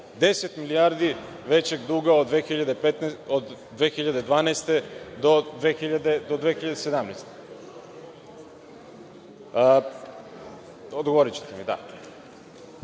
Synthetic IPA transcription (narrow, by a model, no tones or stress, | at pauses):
d̪e̞set̪milijaɾd̪i | ʋe̞t͡ɕeɡd̪uːɡaod̪ʋexiʎad̪epet̪nod̪ːʋexiʎad̪e̞d̪ʋaːnajst̪e̞d̪od̪ʋeːxiʎad̪ed̪od̪ʋexiʎad̪ese̞d̪amnajst̪e | od̪ɡooɾit͡ɕe̥t̪emid̪a̰